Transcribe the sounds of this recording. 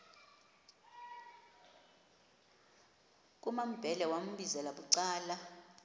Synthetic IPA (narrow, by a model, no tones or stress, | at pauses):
k̬ʼumam̩b̥ʱɛlɛwam̩ɓizɛlaɓuǀaːla